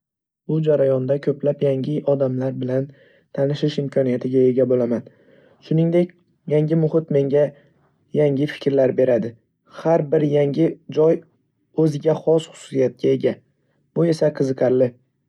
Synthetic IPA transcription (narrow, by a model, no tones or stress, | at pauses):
bʊd͡ʒaɾajɒnd̪akʲʰɵplapjaŋʲɪʔɒd̪amlaɾbɪlan | t̪ʰanɪʃɪʃɪmkʰɒnijat̪ʰɪɡʲae̞ɡʲabolaman | ʃʊnɪŋd̪e̞kʲ | jaŋɡʲɪmʊχɪt̪me̞ŋɡʲa | jaŋʲɪfɪ̥kʲʰɾlaɾbe̞ɾad̪ɪ | haɾbɪɾjaŋʲɪd͡ʒɒj | ɵzɪɡʲaχɒsχʊ̥sʊ̥sijat̪̚ɡʲae̞ɡʲa | b̥ʊe̞saqʰɨzɨqʰɑɾlɪ